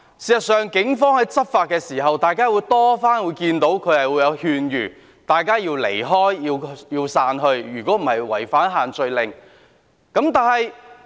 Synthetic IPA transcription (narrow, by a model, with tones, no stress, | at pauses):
siː˨sɐ˨t̚sœː˨ŋkɪ˨˥ŋfɔː˥ŋhɐ˨˥jt͡sɐ˥t̚faː˨˧t̚kːɛː˧siː˨˩ɦɐ˨wt̪aː˨jkaː˥wuː˨˧jt̪ɔː˥faː˥nwuː˨˧jkiː˧nt̪o˨˥wkʰɵ˨˧ɥhɐ˨jwu˨˧jɐ˨˧whyː˧njyː˨˩ | t̪aː˨jkaː˥jiː˧wlḛ˨˩jɦɔː˥jjiː˧wjiː˧wsaː˧nɦɵ˧ɥjyː˨˩kɔː˨˥m̩˨˩hɐ˨jwɐ̰˨˩jfaː˨˥nɦaː˨nt͡sɵ˧ɥlɪ˨ŋ | kɐ˨˥mt̪aː˨nhɐ˨j